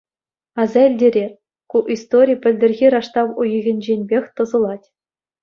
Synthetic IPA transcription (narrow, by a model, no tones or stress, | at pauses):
ɑzɑilʲdʲeɾʲerʲ | kuʔist̪oɾʲijpʲɘ̆lʲdʲɘ̆rʲɣʲiɾɑʂt̪ɑʋujɤ̆ɣʲɘ̆nʲd͡ʑenʲbʲexʲt̪ɤ̆zɤ̆lˠɑtʲ